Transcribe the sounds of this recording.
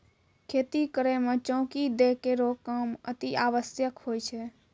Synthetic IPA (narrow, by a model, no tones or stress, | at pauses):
kʰeːt̪ikəɾemẽt͡ʃɔ̃ːkid̪ekeɾokamə̰t̪iaːʋəsjəkhoːjt͡ʃʰɛ